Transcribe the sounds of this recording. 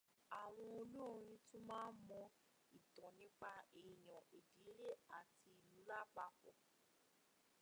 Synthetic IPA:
a˨w̃ɔ̃˧o˧nũ˦o˨˧ɾ̃ĩ˧tu˦mãː˦n̩˦mɔ̃˧ | i˨dɔ̃˨nĩ˦k͡pa˧e˨j̃ã˨e˨di˨˦le˦a˨ti˧i˨lu˨˦la˦˨k͡pa˦˨fɔ˨

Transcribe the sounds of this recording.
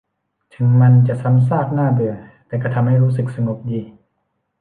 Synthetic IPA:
t̪ʰɯ˨˦ŋma˧nt͡ɕa˨˩˨ʔsa˧˥˦ms̬aː˥˩k̚naː˥˩bɯ˨˩ɐt̪ɛː˧˩ka˧˩t̪ʰa˧mha˥˩jɾuː˦˥sɯ˨˩k̚sa˧ŋo˨˩p̚diː˧˩

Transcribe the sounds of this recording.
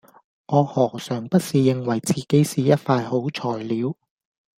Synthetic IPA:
ŋɔː˨˧hɔː˨˩k̚sœː˨˩ŋpɐ˥t̚siː˨jɪ˨ŋwɐ˨˩jt͡siː˨˩ke˨˥jsiː˨˩jɐ˥t̚faː˧jho˨˥wt͡ʃʰɔː˨˩jliː˨˧w

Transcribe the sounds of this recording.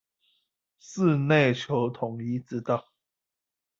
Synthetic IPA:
sɹ̩˥˧ne˥˨ɪt͡ɕʰjo˧˦ʊt̪ʰʊ˨˩ŋi˧˥t͡sɹ̩˧˥t̪ɑ˥˨

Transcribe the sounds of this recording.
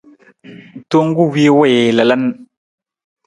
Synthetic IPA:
to˦ŋɡu˦wi˦wɔ˦˨je˨la˨la˦n

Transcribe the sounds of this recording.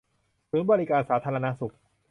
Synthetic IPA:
tʰɯː˩˦nbɔː˧ɾi˦kaː˧nsaː˩˦t̪ʰaː˧ɾa˧na˦˥su˨˩k̚

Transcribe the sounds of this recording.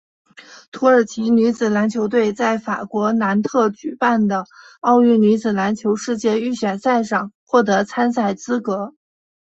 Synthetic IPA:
t̪ʰu˧˥ə˞˨˩t͡ɕʰi˧˥ny˧˥t͡sɹ̩˨˩la˧˥nt͡ɕʰjo˧˥ʊt̪̬we˥˧ɪt͡sa˥˩ɪfa̰˨˩kwɔ˧˥na˧˥nt̪ʰɤ˥˩t͡ɕy˨˩pa˥˩nd̪ə˩ | ɑ˥˧ʊy˥˩ny˧˥t͡sɹ̩˨˩la˧˥nt͡ɕʰjo˧˥ʊʂɻ̩˥˧t͡ɕjɛ˥˧y˥˩ɕɥɛ˨˩nsa˥˧ɪʂɑ˥˩ŋxwɔ˥˩t̪̬ɤ˧˥t͡sʰa˥nsa˥˩ɪt͡sɹ̩˥kɤ˧˥

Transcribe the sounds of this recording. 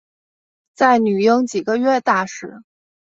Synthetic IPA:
t͡sa˥˩ɪny˨˩jɤ˥ŋt͡ɕi˨˩ɡə˦ɥɛ˥˧t̪a˥˩ʂɻ̩˥˩

